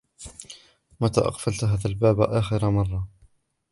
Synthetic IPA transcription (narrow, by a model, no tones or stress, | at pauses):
mat̪a̰ːʔɑ̰qfalt̪ɦaːðalbaːbʔaːxɪɾamɑrˤːɑ